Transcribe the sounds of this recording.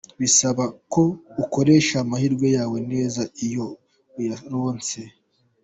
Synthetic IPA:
βisaβako̞uko̞ɾe̞ːʃamahiɾɡwojaːwe̞ne̞ːzaijo̞ | jaɾoːnt͡se̞

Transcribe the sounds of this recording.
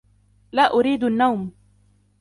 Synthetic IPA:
laːʔʊɾiːd̪anːawm

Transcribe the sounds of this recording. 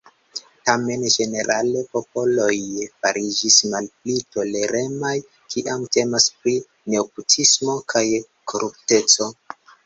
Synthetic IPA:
tame̞nd͡ʒe̞ne̞ɾʔale̞po̞p̚o̞lo̞jfaɾid͡ʒismalplito̞le̞ɾe̞maj | kʰiʔamte̞maspɾi | ne̞oputʰismo̞kʰaj | kʰoɾʔupte̞t͡so̞

